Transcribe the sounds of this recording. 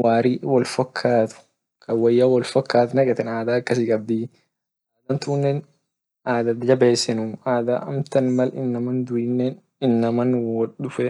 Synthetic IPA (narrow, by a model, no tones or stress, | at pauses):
waːɾiwɐlfɐkʰːaːt̪ʊ̥ | kʰɐwɐjːaːwɐlfɐkːaːt̪nɐkʼɛt̪ɛnaːd̪aːɐkːɐsɪkʼɐb̚d̪i | aːd̪ɐnt̪ʊːnːen | ʔaːd̪ɐd̪d͡ʒɐbeːsːɪnʊaːd̪a̰ʔɐmt̪ɐnmɐlɪnːɐmɐnd̪ʊɪnːen | ɪnːɐmɐnwɐʊfɛ